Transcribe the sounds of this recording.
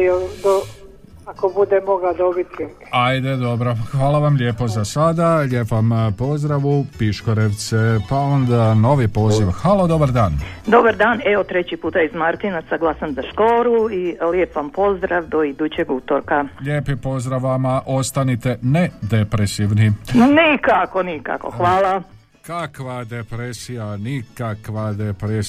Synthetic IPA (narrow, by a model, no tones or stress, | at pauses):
od̪o | akobud̪emoɡad̪obit̪e | ajd̪ed̪o̞bɾoxʋaːlaʋamʎʲe̞ːpo̞zasad̪aʎepampo̞zd̪ɾaʋupiʃkoɾe̞ʋt̪sepaond̪ano̞ʋipo̞ːziʋxʋalod̪o̞baɾd̪aːnd̪o̞baɾd̪aːneot̪ɾet͡ɕipuːt̪aizmaɾt̪inasaɡlˠasamzaʃkoːɾuiljepʋampo̞zd̪ɾaʋd̪oid̪ut͡ɕeɡut̪oɾkaʎʲjeːpipo̞zd̪ɾaʋːamaʔo̞st̪anit̪e̞ne̞d̪epɾesiʋninikakonika̰ko̰xʋaːla | kakʋad̪epɾesijanikakʋad̪epɾe